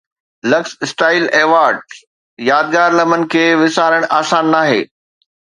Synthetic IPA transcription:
lɐksɪsʈaːɪleːʋaːɾɖ | jaːd̪̚ɡaːɾlɐmənɪ̆kʰeːʋɪsaːɾəɽ̃ʔaːsaːnːaːɦḛː

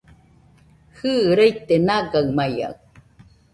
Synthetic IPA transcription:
hɨːɾejt̪enaɡaɯmaja̰w

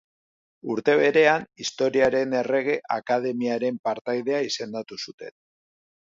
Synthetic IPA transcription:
uɾt̪e̞β̞e̞ɾe̞anist̪o̞ɾiaɾe̞ne̞re̞ɣ̞e̞ʔakað̞e̞miaɾe̞mpaɾt̪ajð̞e̞aise̞nd̪at̪usut̪e̞̰n

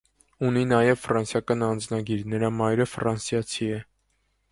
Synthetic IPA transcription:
uninɑjɛvfɾɑnsjɑkɑnɑnd͡znɑɡiɾnəɾɑmɑjɾəfɾɑnsjɑt͡sʰiɛ

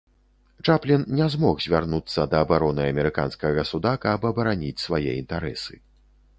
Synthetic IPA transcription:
t͡ʂaplʲinnʲɛzmɔxzʲvʲarnut̪sːɐd̪ɐːbaɾɔnɨɐmʲɛɾɨka̰nskɐɣɣɐsud̪akabɐbɐɾanʲit͡sʲsvajɛint̪aɾɛ̰sɨ̰

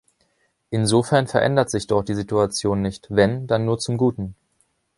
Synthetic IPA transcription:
ʔɪnzofɛɐnfɛɐʔɛ̰ndɐtz̥ɪçd̥ɔtd̥iːzituat͡sjoːnːɪçtvɛndanːuːɐt͡sʊmɡuːtn̩

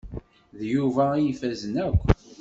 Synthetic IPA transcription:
ðjuvæjifæzənækʷː

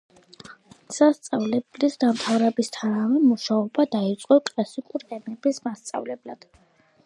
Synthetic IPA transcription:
sast̪sʼavlɛblisd̪amt̪ʰavɾɛbist̪ʰanavɛmuʃaɔbad̪ait̪sʼqʼɔkʼlasikʼuɾɛmɛbismast̪sʼa̰vlɛblad̪̥

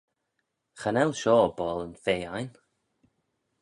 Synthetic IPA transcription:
xanɛlˠʃɔːbɔːlˠənfeːajn

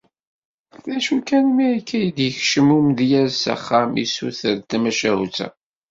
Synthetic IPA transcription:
læʃukænmiikʰːæjəd̪jəçʃəmumðjæzsæ̰χːamḭsṵθəɾt̪æmæʃæhut͡sæ̰

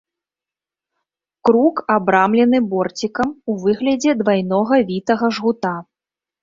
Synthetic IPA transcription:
kɾukabɾamlʲɛn̪ɨbɔrt͡sʲikɐmuvɨɣlʲɐd͡zʲɛd̪vajnɔɣɐvʲit̪ɐɣɐʐɣut̪a

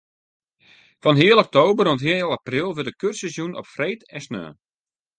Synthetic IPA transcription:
fɔnɦɪəlˠɔk̚toːbəɾɔəthɪlˠaprɪlˠʋɪdəkørsəzjunɔ̰pfreːtɛsnœ̰ː

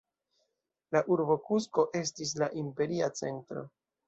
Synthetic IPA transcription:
laʔuɾbo̞kusko̞ʔe̞s̬tis̬laʔimpe̞ɾiat͡se̞̰ntɾo̞̰

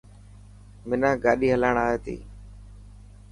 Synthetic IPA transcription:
mɪnãːɡaːɗiːɦəlaːɳaːɦeːt̪ḭː

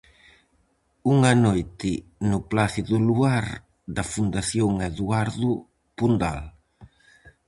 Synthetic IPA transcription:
uŋanojt̪ɪnʊplaθiðuluaɾ | d̪ɐfund̪aθjoŋeðuaɾðʊ | pund̪al

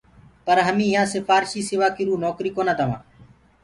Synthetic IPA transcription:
pəɾɦəmĩːɪjãːsɪfaːɾʃiːsɪʋaːkiɾuːnoːkɾiːkoːnãːt̪əʋã̰ː

